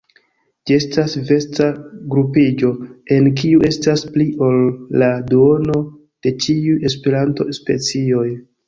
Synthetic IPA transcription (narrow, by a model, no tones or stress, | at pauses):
d͡ʒie̞stasve̞staɡɾupid͡ʒo̞e̞nk̬iuʔe̞staspliʔo̞lːaduo̞no̞ | d̥e̞t͡ʃiuje̞spe̞ɾanto̞̰spe̞̰t͡sio̞j